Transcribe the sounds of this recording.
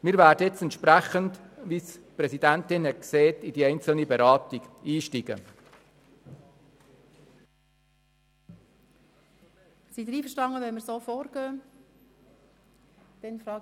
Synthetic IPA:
mɪːɾvæːdəɛt͡sɛntʃpɾæχəndʋispɾɛsidæntɪnhɛt̚kseːtid̥iɛɪnt͡səl̩nibɛɾɑːtiɡ̥iːʃtiɡə̰ | sid̪ɾiːfəɾʃtɑŋəʋɛnmɪɾsoːfoːɾɡ̥øː | d̥ɛnfɾɑː

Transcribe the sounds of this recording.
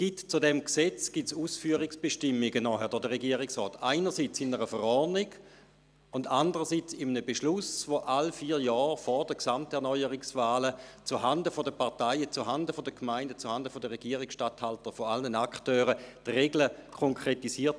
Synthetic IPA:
ɡ̥itt͡sudɛmksɛt͡sɡ̥itsuːsfyːɐʁɪksb̥eʃtɪmːiɡənɔɦɛʁdɔdəʁeɡiːəʁɪksʁɔːtaɪnəʁsit͡sɪnəʁəfəʁɔnɪɡ̥ | ʊndandəʁəsit͡simənəbeʃlʊsvoʔalfiːɾjɔːʁfɔʁdəksamtɛʁnɔʏəʁɪksvaːlət͡suhandəfodəpaʁtaɪət͡suɦandəfodəkʰmaɪndət͡suhandəfodəʁeɡiəʁɪksʃtathaltəfoalnənaktøːʁətʁeɡləkʰoŋkʰʁetisiːɐt

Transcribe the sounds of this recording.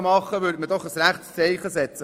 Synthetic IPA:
mɑχːəʋʏːɾdmədɔχəsɾæχtst͡sɛɪχəsɛt͡sə

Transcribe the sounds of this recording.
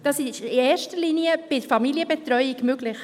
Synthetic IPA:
d̥ɑsɪʃɪeːɾʃtəliniəb̥ɪdəfɑmiliəbɛtrœʏiɡmøɡlɪχ

